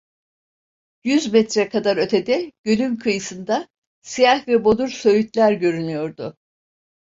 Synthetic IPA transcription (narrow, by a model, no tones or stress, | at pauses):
jyzmɛt̪ɾɛkʰad̪aɾøt̪ʰe̞d̪ɛɟ̥ø̞lʲymkʰɯjɯsɯnd̪a | sijahvɛbo̞d̪uɾsø̞jyt̪lʲæɾɟø̞ɾynyjo̞ɾd̪ʊ